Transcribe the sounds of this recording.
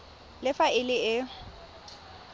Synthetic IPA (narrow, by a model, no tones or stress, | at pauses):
lɪfaɪlɪɪ